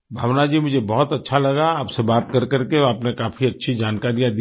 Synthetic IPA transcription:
bʱaːʋnad͡ʒiːmʊd͡ʒʱebɔɦɔt̪ɐtːʃʰalɐɡaaːpsebaːt̪kɐɾkɐɾkeaːpnekaːfʰiɐtːʃʰid͡ʒaːnkaːɾijãd̪

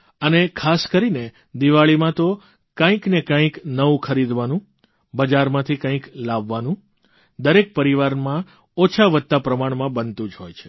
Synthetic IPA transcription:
ənekʰaskəɾine | d̪iʋaɭimãt̪o | kãĩknekãĩknəʋũkʰəɾid̪ʋanũ | bəd͡ʒaɾmãt̪ʰikãĩklaʋːanũ | d̪əɾek̚pəɾiʋaɾmã | ot͡ʃʰaʋət̪t̪ːapɾəmaɳ̃mãbənt̪ũd͡ʒɦojt͡ʃʰe̥

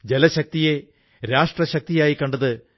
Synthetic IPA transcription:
d͡ʑelɐɕɐk̚t̪ije̞ | ɾaːʂʈrɐɕɐk̚t̪ijaːjikːɐɳɖɐðɨ

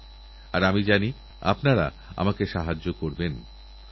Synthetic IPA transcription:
aɾamid͡ʑani | a̰pnaɾa̰ | a̰makeʃaɦad͡ʑːokoɾben

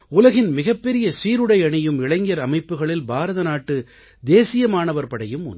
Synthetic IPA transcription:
ʊlɐɣɪnmɪɣɐpːɛɾɪjɐsiːɾɯɽɐɪɐɳɪjɯmɪɭɐŋɡjɐɾɐmɐɪpːɯɣɐɭɪlbaːɾɐðɐnaːʈːɯ | d̪eːsɪjɐmaːnɐʋɐɾpɐɽɐjɯmʊ̰n

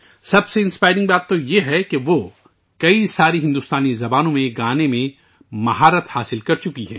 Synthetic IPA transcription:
sɐbseɪ̃nspaːɪɾɪ̃ŋɡ̚baːt̪ːojeɦɛkeʋoː | kɐisaːɾiɦɪ̃nd̪ust̪aːnizɐbaːnõmẽɡaːnemẽ | mɐɦaːɾət̪haːsɪlkɐɾt͡ʃʊkiɦɛ̰̃ː

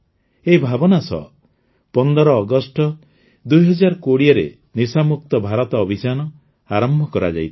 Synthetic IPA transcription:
eibʱabɔnasɔ̰ | pɔnd̪ɔɾɔːɡɔsʈɔ | d̪ujɦɔd͡ʒaɾkoɽiɔɾḛ | nisamuk̚t̪ɔbʱaɾɔt̪ɔːbʱit͡ʃanɔ | aɾɔmbʱɔkɔɾa̰d͡ʒa̰jt̪ʰi̥

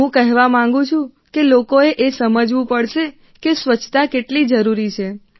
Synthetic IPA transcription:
ũkəɦʋamãŋ̆ɡũt͡ʃʰũ | kelokoeʔesəməd͡ʒʋũpəɽʃe | kesʋət͡ʃʰt̪akeʈlid͡ʒəɾuɾit͡ʃʰe

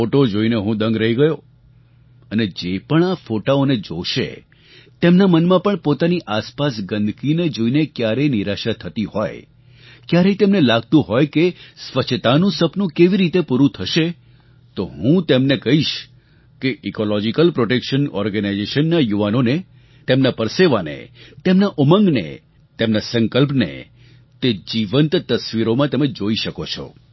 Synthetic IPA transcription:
foʈod͡ʒoineɦũd̪ə̃ŋɡɾəɦiɡəjo | əned͡ʒepəɳafoʈaoned͡ʒoʃḛ | t̪emnamənmãpəɳpot̪aniʔaspasɡənd̪ʱkined͡ʒoinekjaɾeniɾaʃat̪ʰət̪ihɔ̰j | kjaɾet̪emnelaɡ̚t̪ũɦɔjkesʋət͡ʃʰt̪anũsəpnũkeʋiɾit̪epuɾũt̪ʰəʃe | t̪oɦũt̪emnekəɦiʃ | keʔikolɔd͡ʒikəlpɾoʈekʃənɔ̰ɾɡənajd͡ʒeʃənːajuʋanone | t̪emnapəɾseʋanḛt̪emnaʔuməŋɡnḛ | t̪emnasə̃ŋkəlp̬nḛ | t̪ed͡ʒiʋənt̪t̪əsʋiɾomãt̪emed͡ʒoiʃəkot͡ʃʰɔ̰

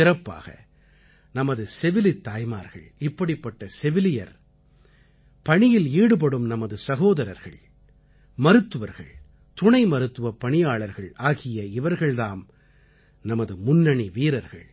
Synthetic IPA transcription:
ɪɾɐpːa̰ːɣɐ̰ | nɐmɐðɯsɛʋɪlɪt̪ːaːjma̰ːɾɣɐ̰ɭɪpːɐɽɪpːɐʈːɐsɛʋɪlɪjɐ̰ɾ | pɐɳɪjɪliːɽɯp̬ɐɽɯmnɐmɐðɯsɐɣoːðɐɾɐ̰ɾɣɐ̰ɭ | mɐɾɯt̪ːɯʋɐɾɣɐ̰ɭ | t̪ʊɳɐɪmɐɾɯt̪ːɯʋɐpːɐɳɪjaːɭɐɾɣɐɭaːɣɪjɐɪʋɐɾɣɐɭðaːm | nɐmɐðɯmʊnːɐɳiʋiːɾɐɾɣɐ̰ɭ

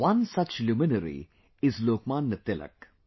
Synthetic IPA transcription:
wɐ̃nsɐt͡ʃlumɪnəɾḭ | ɪzloːkmãːnːət̪ɪlə̰k

